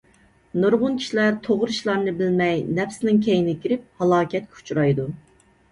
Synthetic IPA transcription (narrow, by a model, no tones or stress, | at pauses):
noɾʁʊnkʲʰi̥ʃilæɾt̪ʰoʁɾɨʃlˠɑɾnɨbɪlmɛjnɛpsɪnɪŋkʲʰɛjɪnɪkʲiɾɪp̚hɑlˠɑːkʲɛt̪̚kʲɛu̥t͡ʃʰɾɑjd̪u